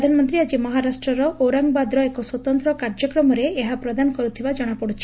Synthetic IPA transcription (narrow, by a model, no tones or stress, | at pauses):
d̪ʱanɔmɔnt̪ɾiad͡ʒimɔɦaɾasʈɾɔɾɔʔoɾaŋɡbad̪ɾɔekɔswɔt̪ɔnt̪ɾɔkaɾd͡ʒɔkɾɔmɔɾeeɦapɾɔd̪anɔkɔɾut̪ʰibad͡ʒɔɽ̃apɔɽut͡ʃʰi̥